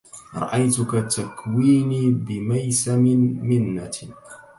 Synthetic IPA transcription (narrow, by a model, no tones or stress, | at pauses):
ɾˤɑ̰ʔajt̪ʊkat̪ːakwiːniːbɪmajsamɪnmɪnːa̰